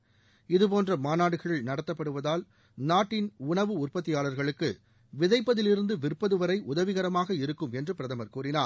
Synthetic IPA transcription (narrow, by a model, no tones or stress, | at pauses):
ɪðɯp̬oːndrɐmaːnaːɽɯɣɐɭɪlnɐɽɐt̪ːɐpːɐɽɯʋɐðaːl | naːʈːɪnʊɳɐʋɯʊrpɐt̪̬ːɪjaːɭɐɾɣɐɭɯkːɯ | ʋɪðɐɪpːɐðɪlɪɾɯnd̪ɯʋɪrpːɐðɯʋɐɾɐɪʔʊðɐʋɪɣɐɾɐmaːɣɐɪɾɯkːɯmɛndrɯpɪɾɐðɐmɐɾkuːrɪnaː